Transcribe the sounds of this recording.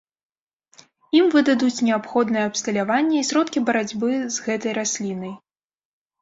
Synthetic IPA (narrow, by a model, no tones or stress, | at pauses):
imvɨd̪ad̪ut͡sʲnʲɛapxɔd̪nɨjɛɐpst̪ɐlʲavanʲːɐisɾɔt̪kʲibɐɾad͡zʲbɨzɣɛt̪ɐjɾasʲlʲinɐj